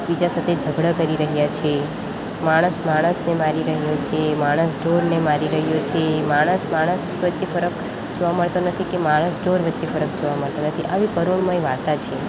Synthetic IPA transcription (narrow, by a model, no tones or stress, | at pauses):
bid͡ʒasət̪ʰed͡ʒʱəɡɽəkəɾiɾəɦjat͡ʃʰe | maɽ̃əsmaɽ̃əsnemaɾiɾəɦjot͡ʃʰemaɽ̃əsɖoɾnemaɾiɾəɦjot͡ʃʰemaɽ̃əsmaɽ̃əs | ʋətːʃefəɾək | d͡ʒoʋaməɭt̪onət̪ʰikemaɽ̃əsɖoɾʋətːʃefəɾək̚d͡ʒoʋaməɭt̪onət̪ʰiʔaʋikəɾoɳmãjʋaɽt̪at͡ʃʰe